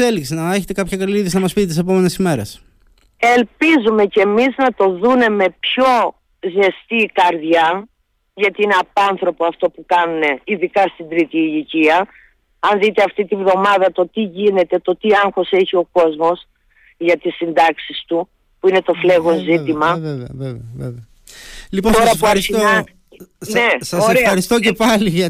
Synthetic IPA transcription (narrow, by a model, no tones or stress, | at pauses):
eliksinɐeçet̪e̞kɐpçɐkɐliðisnɐmɐspit̪et̪isep̬o̞menesime̞ɾes | e̞lpizume̞cemiznɐt̪o̞ðune̞me̞pço̞ | zest̪iːkɐɾðʝɐ | ʝɐt̪iineɐpɐnθɾo̞poɐft̪o̞pukɐnune̞iðikɐst̪ind̪ɾit̪iːʝiciɐ | ɐnðit̪eɐft̪it̪ivðo̞mɐðɐt̪o̞t̪iʝine̞t̪e̞t̪o̞t̪iɐŋxo̞se̞çio̞ko̞zmo̞s | ʝɐt̪isːind̪ɐksist̪u | puine̞t̪o̞fle̞ɣo̞nzit̪imɐɐvevvev | lipot̪oɾɐpueɾisinɐ | nesɐoseɾeɐɾist̪ocepɐliʝɐ